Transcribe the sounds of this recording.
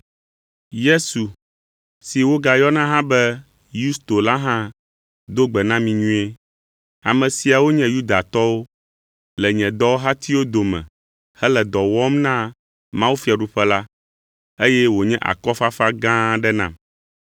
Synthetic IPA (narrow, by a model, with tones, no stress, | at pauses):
je˦su˨ | si˨wo˦ɡa˨jɔ˦nã˦ɦã˦bɛ˦ | ju˦st̪o˨la˦ɦã˦ | d̪o˦ɡ͡bɛ˨nã˦mĩ˨ɲũ˦e˦ | a˨mɛ̃˨si˨a˨wo˦ɲɛ̃˦ju˦d̪a˨t̪ɔ˦wo˦ | lɛ˨ɲɛ̃˨d̪ɔ˦wo˦ɦa˦t̪i˦wo˦d̪o˨mɛ̰̃˨ | hɛ˦lɛ˨d̪ɔ˨wɔ˦mnã˦ | mã˦wu˦fi˦a˨ɖu˦ɸɛ˦la˦ | e˦jɛ˦wo˨ɲɛ̃˦ʔa̰˨kɔ˦fa˦fa˦ɡã˦ɖɛ˦nã̰˨m